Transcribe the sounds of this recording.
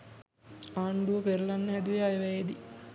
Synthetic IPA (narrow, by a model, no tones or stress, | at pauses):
aːɳɖuʋəpeɾlanːəɦæd̪uʋeajeʋɛjed̪i